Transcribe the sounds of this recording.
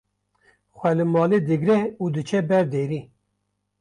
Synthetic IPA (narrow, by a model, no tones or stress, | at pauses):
xʷɛlɨmɑːled̪ɨɡɾɛuːd̪ɨt͡ʃʰɛbɛɾd̪eːɾiː